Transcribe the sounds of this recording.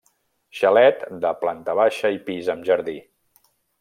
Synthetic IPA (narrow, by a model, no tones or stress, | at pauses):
ʃəlɛt̪d̪əplant̪əβaʃəipizəmʒəɾði